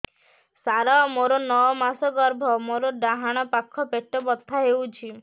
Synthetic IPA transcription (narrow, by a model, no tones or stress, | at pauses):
saɾamoɾɔnɔɔmasɔɡɔɾbʱɔmoɾɔɖaɦaɽ̃ɔpakʰːɔpeʈːɔbɔt̪ʰːaɦewt͡ʃʰi